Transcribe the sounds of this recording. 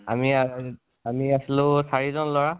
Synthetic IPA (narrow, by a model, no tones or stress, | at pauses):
a̰mia | amiasilʊ̃saɹizɔnlɔɹa